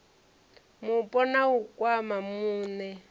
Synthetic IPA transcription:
mupʼɔnaukʼwamamuːnɛ

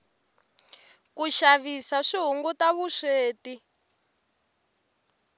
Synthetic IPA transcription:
kuʃaβisaʂiɦuŋɡutaβuʂeːti

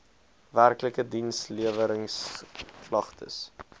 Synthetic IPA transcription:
værkləkədinsliəvəɾəŋsklɐχtʰə̰s

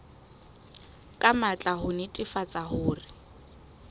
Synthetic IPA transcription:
kʼamat͡ɬʼaɦʊnɪtʼɪfat͡sʼahʊːrɪ

